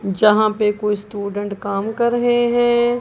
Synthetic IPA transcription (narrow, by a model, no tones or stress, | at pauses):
d͡ʒɐɦãpekoːisʈuːɖə̃ɳʈkaːmkɐɾɦeɦɛ̃ː